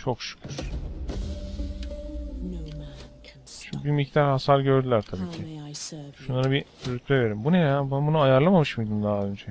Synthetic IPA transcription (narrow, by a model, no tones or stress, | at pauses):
t͡ʃʰo̞kʃu̥cʲʰyɾ̥ | t͡ʃʰmbimict̪ʰaɾhasalɟøɾd̪ylʲæɾt̪ʰabiːcʰi | ʃunːˠaɾɯbiyɾyt̪ʰːeveɾimbunejabnbunuajaɾlˠamamɯʃmujd̪ɯmd̪aːø̞nd͡ʒɛ